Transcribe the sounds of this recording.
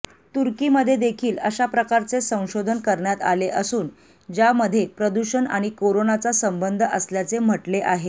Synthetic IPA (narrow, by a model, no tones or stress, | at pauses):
t̪uɾkiːməd̪ʱːjed̪ekʰiːləɕapɾəkaɾt͡sesə̃w̃ɕod̪ʱənkəɾɳjat̪a̰leʔəsuːn | d͡ʑjaməd̪ʱːjepɾəd̪uɕəna̰ɽ̃ikoɾonat͡sasəmbənd̪ʱəʔəsljat͡sem̤əʈleʔaɦe